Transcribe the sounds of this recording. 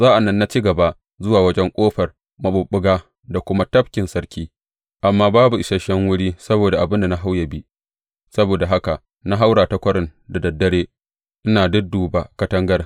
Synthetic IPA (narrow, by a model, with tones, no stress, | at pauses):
zaː˦ʔa˨nːɐ˦nːa˦t͡ʃiː˦ɡɐ˨ba˦ | zʊ˦waː˨wɐ˦d͡ʒɛ˦ŋkʷʼoː˦ɸɐ˨r | mɐ˨ɓʊ˨ɓʊ˦ɡaː˦ | da˨kʷʊ˦ma˦tɐ˦ɸ̚kʲɪ˨nsɐ˦ɾkʲiː˦ | ʔa˨mːaː˦baː˦bu˨ʔɪ˨ʃɐ˦ʃɐ˦ŋwʊ˦ɽiː˦sɐ˦boː˨da˨ʔa˨bɪ˦nda˨na˦ɦa˦wjɐ˨bi˦ | sɐ˦boː˨da˨ɦa˦ka˨ʔ | na˦ɦa˦wɽaː˨ta˦kʷɐ˦ɾɪ˦nda˨dɐ˨dːɐ˦ɽeː˦ | ʔɪ˦naː˨dʊ˦duː˨baː˦kɐ˦tɐ˦ŋɡɐ˦r